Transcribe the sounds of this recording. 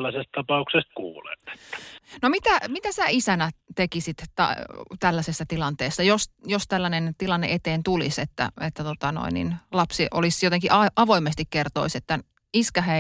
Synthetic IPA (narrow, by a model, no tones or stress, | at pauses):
lːæsest̪̚t̪ɑpɑuksest̪̚kṵːlḛnːe̥t̪ːæ̥nomit̪æmit̪æsæisænæt̪ekisit̪t̪ɑ̰t̪ælːæsesːæt̪ilɑnt̪eːsːɑjosjost̪ælːænent̪ilɑnːḛʔet̪eːnt̪ulḭset̪ːæ̰et̪ːæt̪ot̪ɑno̰inːḭnlɑpsiʔolisjot̪eŋkiʔɑɑʋoimːest̪ikkert̪oiset̪ːæ | iskɑɦe